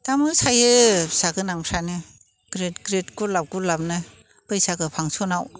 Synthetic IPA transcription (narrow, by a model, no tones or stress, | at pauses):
tamɯsajɯsaɡɯnaŋpʰɾanɯ | ɡ̥ɾetɡɾetɡulap̚ɡulap̚nɯ | b̥ɯjsaɡɯpʰaŋsɔnaw